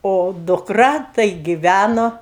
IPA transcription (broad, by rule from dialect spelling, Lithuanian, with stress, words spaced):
oː dʊkˈrɐ tɐɪ ɡʲɪˈʋʲænoː